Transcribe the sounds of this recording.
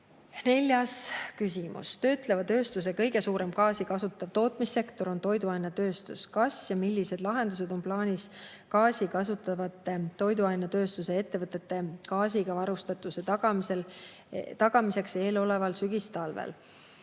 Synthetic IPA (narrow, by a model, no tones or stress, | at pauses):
ne̞lʲjɑskysʲimṵst̪ø̞ːt̪ˑle̞vɑt̪ø̞ːst̪us̬e̞kɤ̞jɡe̞suːɾe̞mkɑːsikɑsut̪ːˑɑvt̪o̞ːt̪ˑmisːe̞kt̪o̞ɾo̞nt̪o̞jd̪uɑjnɑt̪ø̞ːst̪uskɑsjɑmilʲːise̞d̪̥lɑɦe̞nd̪̥use̞d̪̥o̞mplɑːnʲis | kɑːsʲikɑsut̪ːˑɑvɑt̪ːˑet̪ːo̞jd̪uɑjnɑt̪ø̞ːst̪use̞e̞t̪ːe̞vɤt̪ˑːe̞t̪ːe̞kɑːsiɡ̥ɑvɑɾust̪ɑt̪ːˑuset̪ɑɡɑmisel | t̪ɑɡ̥ɑmise̞kse̞ːlo̞le̞vɑlsyɡist̪ɑlvḛl